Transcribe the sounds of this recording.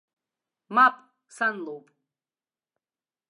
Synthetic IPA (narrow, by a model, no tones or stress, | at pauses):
mapʼ | sanlowpʼ